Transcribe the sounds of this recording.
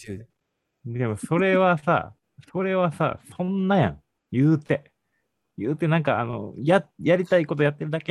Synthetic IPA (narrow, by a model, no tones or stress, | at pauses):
dd̪e̞mo̞so̞ɾe̞βasa̰ | so̞ɾe̞βasa̰sõ̞nːajã̰ŋ | jɯːt̪e̞ | jɯːt̪e̞nãŋka̰ːno̞̰jajaɾʲit̪aiko̞t̪o̞jat̪ːe̞ɾɯ̟d̪ake